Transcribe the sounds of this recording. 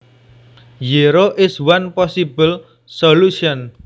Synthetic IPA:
jiɾoʔɪswanpɔsibəl | soluʃiɔn

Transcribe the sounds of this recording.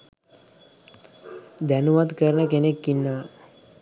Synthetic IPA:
d̪ɛnuʋad̪kəɾnəkenekːinːa

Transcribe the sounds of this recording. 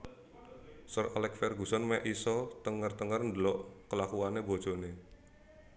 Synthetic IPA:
sɔralɛk̚fɛrɡusɔnmɛʔisɔt̪əŋərt̪əŋərndəlɔʔkəlakuanebo̥d͡ʒ̥o̤ne

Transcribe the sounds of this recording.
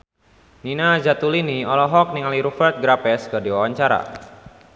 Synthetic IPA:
ninad͡ʒat̪uliniɔlɔɦɔk̚niŋaliɾufɛrt̪̚ɡɾapɛskərdiwawaɲt͡ʃaɾa̰

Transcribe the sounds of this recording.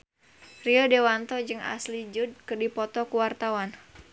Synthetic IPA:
riɔdewant̪ɔd͡ʒɨŋʔa̰slid͡ʒud̚kɨrdipɔt̪ɔkuwart̪awan

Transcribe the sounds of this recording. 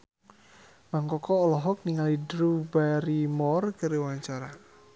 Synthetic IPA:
maŋkɔkɔːlɔɦɔk̚niŋalidɾubaɾimɔrkəɾəwaɲt͡ʃaɾa

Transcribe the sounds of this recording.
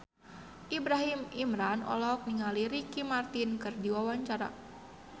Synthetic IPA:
ʔibɾaɦimimɾanɔ̰lɔk̚niŋaliɾikimart̪inkɨrdiwawaɲt͡ʃaɾa̰

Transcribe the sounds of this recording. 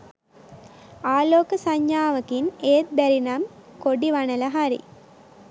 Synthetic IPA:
aːloːkəsaɲjaːʋɐkineːt̪̚b̪ɛɾinamkoɖiʋanɐlɐɦaɾḭ

